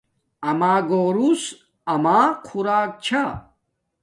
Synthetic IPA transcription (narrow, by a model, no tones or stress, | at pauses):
ɐmaːɡoːɾus | ɐmaːqʰuɾaːk̚t͡ɕʰa